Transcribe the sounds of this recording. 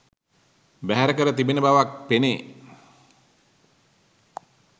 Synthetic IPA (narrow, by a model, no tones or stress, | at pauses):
bæɦæɾəkəɾət̪ibinəbaʋak̚pene